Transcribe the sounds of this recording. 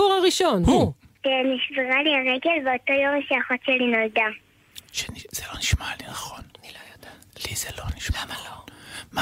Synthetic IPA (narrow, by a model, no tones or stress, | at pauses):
uʁaʁiʃo̞nhu | keniʃveʁaliaʁeɡe̞lveoto̞jo̞mʃaaχotʃelinold̪a | ʃenz̥eloniʃmalinaχonj | lizeloniʃma | ma